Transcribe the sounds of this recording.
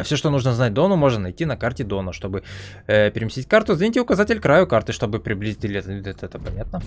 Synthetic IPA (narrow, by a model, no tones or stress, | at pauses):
fsʲoʂt̪onuʐnəznat̚ʲd̪o̞nʊmo̞ʐnənɐjtʲinɐkartʲɪd̪o̞nəʂt̪o̞bɨ | əpʲɪɾʲɪmʲɪsʲit̚ʲkart̪ʊzʲnʲitʲɪʊkɐzatʲɪlʲkɾajʊkart̪ɨʂt̪o̞bɨpɾʲɪblʲizʲitʲilʲɪɛt̪əɛt̪ɛt̪əpɐnʲat̪nə